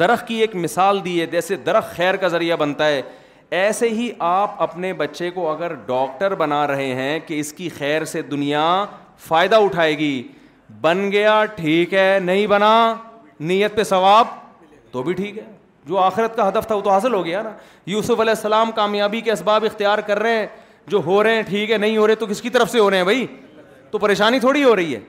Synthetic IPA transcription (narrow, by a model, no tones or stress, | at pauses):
d̪̥ɐɾəxkieːkmɪsaːld̪ied͡ʒɛːsed̪ɐɾəxːɛːɾkazɐɾijabɐnt̪aɦɛː | ɛːseɦiʔaːpɐpnebɐtːʃekoɐɡəɾɖɔːk̚ʈəɾbɐnaɾɐɦeɦɛ̃keɪskixɛːɾsed̪ʊnija | faːɪd̪aʊʈʰaːeːɡiː | bɐnɡɐjaʈʰiːkɦɛːnɐɦĩbɐna | niːjət̪̚pesɐʋaːb̚ | t̪obʱiʈʰiːkɦɛː | d͡ʒoːaːxɪɾət̪̚kaɦɐd̪əft̪ʰaʊt̪oɦaːsɪlɦoːɡɐjana | juːsʊfɐlɛːɪsːɐlaːmkaːmjaːbikeɐsbaːbɪxt̪ijaːɾkɐɾːɐɦɛ̃ | d͡ʒoːɦoːɾɐɦɛ̃ʈʰiːkɦɛnɐɦĩɦoːɾɐẽt̪okɪskit̪ɐɾəfseɦoːɾɐɦeɦɛ̃bʱɐi | t̪opɐɾeːʃaːnit̪ʰoːɽiɦoɾɐɦiɦɛ̰ː